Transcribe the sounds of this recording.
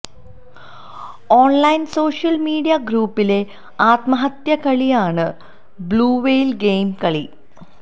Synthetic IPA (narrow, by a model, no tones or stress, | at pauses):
oːnlɐjnso̞ːʂjɐlmiːɽijɐɡɾuːpːile̞ | aːt̪mɐɦɐt̪jɐkɐɭijaːɳɨ | bluːʋejlɡejmkɐɭi